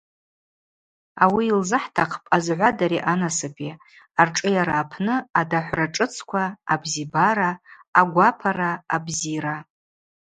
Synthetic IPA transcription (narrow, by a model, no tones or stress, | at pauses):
awiːlzɨħtʰaqʰpʼazʕʷadaɾiʔanasɨpʰʼi | arʈ͡ʂʼɨjaɾaːpʰnɨadaħʷraʈ͡ʂʼɨt͡sʰkʷʰaːbzibaɾaːɡʷapʰaɾaːbziɾa